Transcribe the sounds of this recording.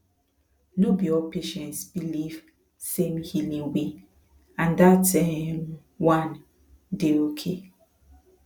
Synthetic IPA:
nobiɔpeʃɛ̃ntsbiliv | sẽmhilĩŋwe | ãndatʰam | wãn | deokʰe

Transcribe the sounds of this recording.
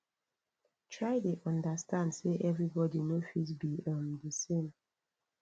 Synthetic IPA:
tʰɹaɪdeʔɔ̃ndastãndseʔɛvɹibɔdinofitbiʌ̃mdəsẽm

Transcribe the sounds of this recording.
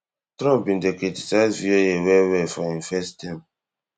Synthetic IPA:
tɾɔ̃mpĩndekiti̥saɪzviojewɛwɛfɔĩnfɛstĩm

